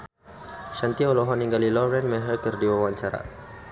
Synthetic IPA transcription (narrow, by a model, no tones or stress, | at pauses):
ʃant̪iɔlɔɦɔniŋɡalilɔɾɛnmɛɦəlkərdiwawaɲt͡ʃaɾa̰